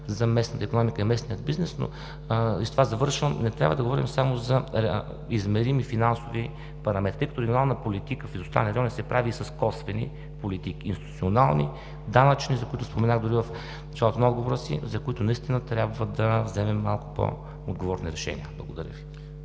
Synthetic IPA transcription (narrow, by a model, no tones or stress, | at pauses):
zɐmɛsnət̪əikonɔmikəimɛsniəd̪̚biznɛsno̰ | izt̪ovazɐvɤɾʃvəmnɛt̪ɾʲabvəd̪ɐɡovɔɾimsamozɐ | izmɛɾimifinansovi | pɐɾɐmɛt̪it̪əjkət̪oɾɛɡjonalˠnpolit̪ikəfizost̪a̰lˠniɾɔnisɛpɾaviːsɐskɔsvɛnḭ | polit̪ikiːnst̪it̪u̥t̪ionalˠnḭ | d̪anɐt͡ʃnizɐkʊit̪ʊspomɛnaɣd̪ʊɾivɐf | nɐt͡ʃalˠot̪onɔd̪ɡovoɾəsḭzɐkoit̪ʊnɐist̪inət̪ɾʲjabvəd̪ɐvzɛmɛmːalˠkʊ̥po̰ | od̪̚ɡovɔɾniɾɛʃɛ̰nḭəblˠɐɡʊd̪ɐɾʲə̰vi